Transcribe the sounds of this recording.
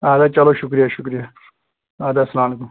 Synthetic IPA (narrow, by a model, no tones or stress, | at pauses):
aːd̪aːt͡ʃɐloʃʊkɾijaʃʊkɾija | aːd̪asɐlaːmlekum